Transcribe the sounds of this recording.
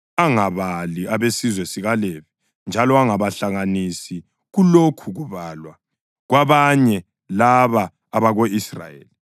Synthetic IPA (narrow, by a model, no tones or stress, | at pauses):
aŋaβaliaβesizwɛsiɣalevi | nd͡ʒʱalɔaŋaβaɬaŋanisi | ɣulokʰuɣuβalwa | ɣwaβaɲɛ | laβaː | βaɣoisra̰jḛːli